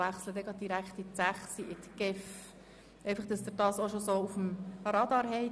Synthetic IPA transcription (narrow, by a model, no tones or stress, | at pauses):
æχsləd̪ɛɡɾɑd̪̚d̥iɾækχt̪ɪt̪sæχsiʔɪt̪ɡ̥ɪf | ʔɛɪjfɑχd̥ɑsd̪əɾd̥ɑːsoʃosoːufmpʰɑɾɑːd̪ɑːɾɦɛɪ